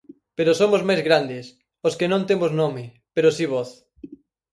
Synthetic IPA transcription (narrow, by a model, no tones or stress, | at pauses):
peɾosomozmajzɣɾand̪ɪs | oskɪnõnt̪emoznomɪ | peɾosiβoθ